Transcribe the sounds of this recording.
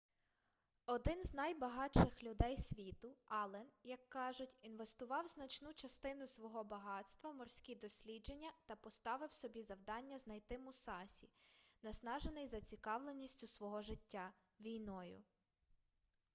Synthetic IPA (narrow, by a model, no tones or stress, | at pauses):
ɔd̪ɪnznɐjbɐɦɑt͡ʃɪxlʲʊd̪ɛjsʲʋʲit̪ʊɑlˠɛnjɐkːɑʒʊtʲinʋest̪ʊʋɑwznɐt͡ʃnut͡ʃɐst̪ɪnʊsʋɔɦɔbɐɦɑt̪st̪ʋɐmɔrsʲkʲid̪ɔsʲlʲid͡ʒenʲːɐt̪ɐpɔst̪ɑʋɪwsɔbʲizɐwd̪ɑnʲːɐznɐjt̪ɪmʊsɑsʲinɐsnɑʒenɪjzɐt͡sʲikɑwlˠenʲːisʲtʲʊsʋɔɦɔʒɪtʲːa | ʋʲijnɔjʊ̰